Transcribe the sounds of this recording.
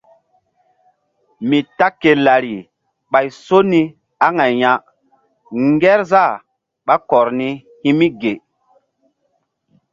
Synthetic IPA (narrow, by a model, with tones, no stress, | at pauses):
mi˨ta˦kːe˨la˨ɾi˨ | ɓa˨jso˦ni˦ | a˦ŋa˨jja˨ | ŋɡɛ˦ɾza˦˨ | ɓa˦kɔ˨ɾni˦ | hi˦mi˦ɡe˨